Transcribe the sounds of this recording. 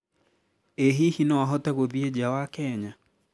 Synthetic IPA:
eɦihinɔwaɦɔtɛɣoðied͡ʒawakɛɲa

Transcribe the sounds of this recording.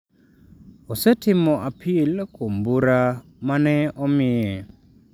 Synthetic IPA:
ɔsetʰɪmɔʔapʰilkombuɾa | manɛɔmiɛ

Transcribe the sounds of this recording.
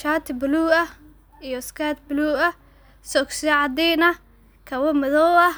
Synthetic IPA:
ʃaːt̪ʰɪbɪluːɐ | ijɔskʰaːt̪̚bɪluːɐ | sɔksɪɛʕɑd̪ɛnɐ | kʰɐwɔmɐðɔwɐ

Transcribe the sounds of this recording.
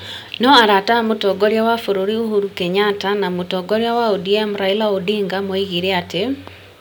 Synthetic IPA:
nɔaɾatamotɔɡoɾjawafoɾoɾiuɦuɾukɛɲatanamotɔɡoɾjawaodiemɾailaodiŋɡamoiɣiɾeate

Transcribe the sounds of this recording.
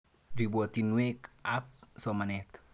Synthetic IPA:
dibɔt̪inwekap̚somanɛt̪

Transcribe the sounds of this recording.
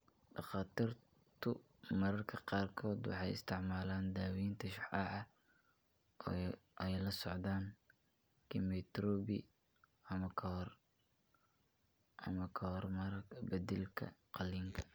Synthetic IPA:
ɖɑqɑːt̪ʰir | t̪ʰʊ | mɐɾɐrkʰɐqɑːrkʰɔːd̪wɑ̰ħɑjɪ̰st̪ʰɪʕmaːlaːnd̪aːwiːnt̪ʰɐʃʊħɑʕɑ | ɛjlɐsɔʕd̪aːŋ | kʰimɛt̪ɾɔːbḭ | ɐmɐkʰɐhr | ʔɐmɐkʰɐhɔrmɐɾɐɡbɐd̪ɛlkʰɐ̰qɑliːŋkʰɐ̥

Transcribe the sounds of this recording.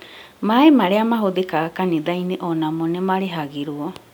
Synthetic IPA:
maemaɾeamaɦod̪ekakanĩd̪aineʔonamonɛmaɾeɦaɡiɾuɔ

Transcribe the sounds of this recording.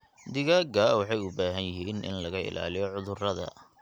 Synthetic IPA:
d̪ɪɣaːɡɐwɑħɑjʊbaːɦɐnjɪɦiːnʔɪ̰nlɐɣɐɪ̰la̰ːlɪjɔʕʊðʊrɐðɐ̰

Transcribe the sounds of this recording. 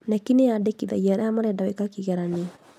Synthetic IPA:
nakineadekiða̰jɛɾamaɾɛdawɛkakiɣɛɾani

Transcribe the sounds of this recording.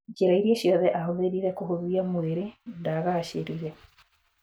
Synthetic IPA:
d͡ʒeɾaiɾieɕjɔðɛʔaɦoðeɾiɾɛkohoðiamweɾendaɣaːɕeɾiɾɛ

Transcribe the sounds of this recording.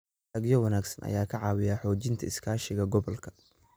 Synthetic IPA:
ɐɡjɔwɐnaːɡsɐnʔɐ̰jaːkʰɐʕɑːwɪjaːħɔːt͡ʃɪnt̪ʰɐɪskʰaːʃɪɣɐɡɔβɔlkʰɐ̥

